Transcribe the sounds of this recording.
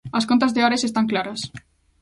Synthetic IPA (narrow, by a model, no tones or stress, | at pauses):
ɐskont̪azðeaɾesest̪aŋklaɾas